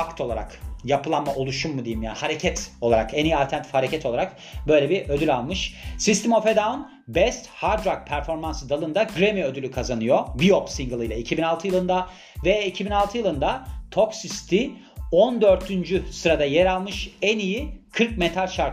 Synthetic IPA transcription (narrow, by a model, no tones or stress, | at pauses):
akt̪ʰo̞lˠaɾa̰kjapʰɯlˠanmːaʔo̞lˠuʃumːud̪ejimja̰ːnihaɾe̞cʰɛt̪o̞lˠaɾa̰kɛnijialʲt̪ʰænt̪ʰfhaɾecɛt̪ʰoaɾak | bø̞jlʲebiʔød̪ylʲalˠmɯʃsist̪imo̞fed̪aun | bɛst̪haɾd̪ɾak̚pʰæɾfo̞ɾmansɯd̪alˠɯnd̪aɡɾemiø̞d̪ylʲykʰazanɯjobiopsiŋɡɯlˠɯjlˠaicʰibinalˠt̪ʰɯjɯlˠɯnd̪a | vɛicʰibinalˠt̪ɯjɯlˠɯnd̪at̪ʰoksist̪ʰi | ond̪ø̞ɾt̪ʰynd͡ʒysɯɾad̪ajeɾalˠmɯʃænijikʰɯɾk̚met̪ʰalʲʃaɾ